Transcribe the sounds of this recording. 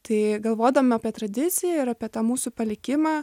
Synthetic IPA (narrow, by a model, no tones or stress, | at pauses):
t̪ɐɪɡɐlˠʋoːd̪ɐmʲɪaːpʲiɛt̪ɾɐd̪ʲɪt̪sʲɪjɛɪɾaːpʲiɛt̪ɑːmuːsupɐlʲɪkʲɪmɑː